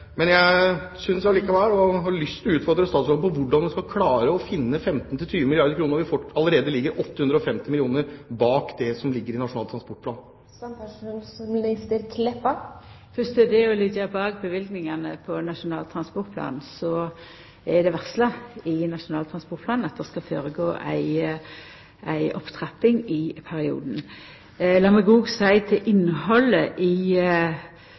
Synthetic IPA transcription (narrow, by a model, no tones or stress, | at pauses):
mɛnjæɪsʏnsæliːkɑʋɛlɔɦɑɭʏst̪ʉːt̪fɔɾd̪ɾəst̪ɑːt̪sɔləpɔʋʊɖɑnʋɛnskɑkʰlɑːɾəɔfɪnːəfɛmt̪n̩t̪ʰɪlt̪ʰyːʋəmɪlɪɑɾd̪əɾkʰɾuːnəɾɔʋɪfɔɑləɾeːd̪əlɪɡːəɾʔɔt̪ːəhʉnd̪ɾəɔfɛmt̪ɪmɪlɪuːnəɾbɑːkd̪ɛsɔmlɪɡːəɾɪnɑʂʊnɑːlt̪ʰɾɑspɔʈ̚pʰlɑːn | sɑpʰæʂuːnsɔmlist̪əɾkʰlɛpːɑ | fʏst̪əd̪ɛɔlɪɡəbɑːɡbəʋɪlɡnɪŋɑnəpʰɔnɑʂʊnɑ̰ːlt̪ʰɾɑnspɔʁt̪̚pʰlɑ̰ːnn̩sɔ | ɛd̪ɛʋæʁslɑɪnɑʂʊnɑːlt̪ʰɾɑnspɔtpʰlɑːnɑt̪̚d̪ɛskɑfø̰ːɾəɡo̰ːʔæ̰ɪ | ʔæɪʔɔpt̪ʰʁæp̪ːɪŋɪpʰæɾɪṵːd̪n̩ | lɑːməɡuːɡsæɪt̪ʰɪlʔɪnːɦɔləʔɪ